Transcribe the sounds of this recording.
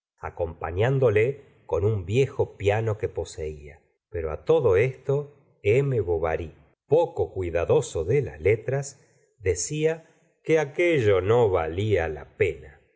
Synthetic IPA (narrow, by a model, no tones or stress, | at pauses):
a̰ko̞mpa̰ɲand̪o̞le | ko̞numbjexo̞pjano̞kepo̞se̞ia | peɾo̞a̰t̪o̞ðo̞e̞st̪o̞ | emeβoβa̰ɾi | pokokwiðaðo̞soðela̰zlet̪ɾas | ðesia | keakeʒo̞no̞βa̰liala̰pena